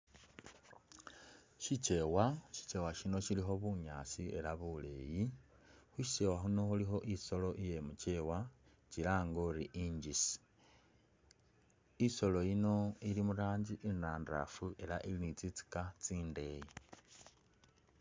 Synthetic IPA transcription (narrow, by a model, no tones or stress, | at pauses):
ʃit͡ʃe̞waʃi̥t͡ʃe̞waʃino̞ʃilixo̞βuɲaːt͡sie̞laβule̞̰ːji | xuʃi̥se̞waxuno̞xulixo̞ʔiso̞lo̞ʔije̞mut͡ʃe̞wa | t͡ʃilaːŋɡoɾiʔiɲɟisi̥ | iso̞lo̞jino̞ilimuɾaːɲɟiʔinaːnda̰fue̞laʔilinit͡sit͡si̥kat͡siːnde̞ji